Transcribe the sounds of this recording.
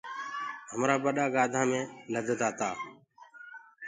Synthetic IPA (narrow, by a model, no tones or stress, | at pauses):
ɦəmɾaːbəɗaːɡaːd̪ʱãːmẽːləd̪ʱt̪aːt̪aː